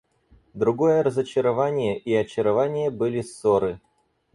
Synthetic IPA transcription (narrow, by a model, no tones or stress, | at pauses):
d̪ɾʊɡo̞jəɾəzət͡ɕɪɾɐvanʲɪjəʔiɐt͡ɕɪɾɐvanʲɪjəbɨlʲɪsoɾɨ